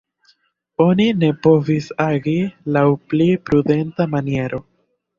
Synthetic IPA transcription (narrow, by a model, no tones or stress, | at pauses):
o̞nine̞po̞visaɡilawplipɾude̞ntamanie̞ɾo̞